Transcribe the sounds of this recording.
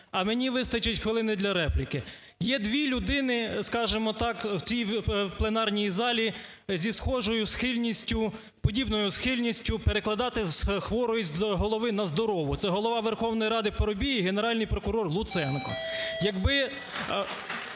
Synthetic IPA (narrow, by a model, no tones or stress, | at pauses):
ɐmenʲiʋɪst̪ɐt͡ʃɐtʲxʋɪlˠɪnɪd̪lʲɐɾɛplʲikɪ | jɛd̪ʋʲilʲʊd̪ɪnɪskɑʒemɔt̪ɑkwt͡s̪ʲijplˠenɑrnʲijzɑlʲi | zʲisxɔʒɔjʊsxɪlʲnʲisʲtʲʊ | pɔdʲibnɔjʊsxɪlʲnʲisʲtʲʊpeɾeklˠɐd̪ɑt̪ɪzxʋɔɾɔjizʲɦɔlˠɔʋɪnɐzd̪ɔɾɔʋʊt̪sɛɦɔlˠɔʋɑʋerxɔwnɔjiɾɑd̪ɪpɔɾɔbʲijiɦeneɾɑlʲnɪjpɾɔkʊɾɔrlˠʊt̪sɛnkɔjɐɡbɪ